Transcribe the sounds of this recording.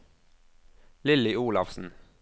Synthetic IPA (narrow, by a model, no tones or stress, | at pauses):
lɪlɪuːlɑ̰fsn̩